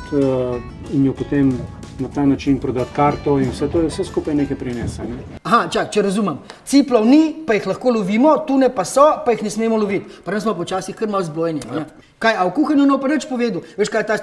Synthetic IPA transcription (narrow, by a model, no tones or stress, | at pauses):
injɔpot̪em | nat̪aːnat͡ʃinpɾɔd̪at̪kaɾt̪ɔinwsɛt̪oːjɛwsɛskuːpajneːkɛjpɾinɛsanɛ | aɦat͡ʃakt͡ʃɛɾɐzuːmɐmt̪siplɔwnipajixlɐxkoːloʋiːmɔt̪uːnɛpasɔpajixnɛsmeːmɔlɔʋit̪paɾənsmɔpɔt͡ʃaːsixkəɾmawzbloːjɛnjɛanɛ | kaːjawkuːxɐnjunɔpanət͡ʃpoʋeːd̪uʋeːʃkajt̪a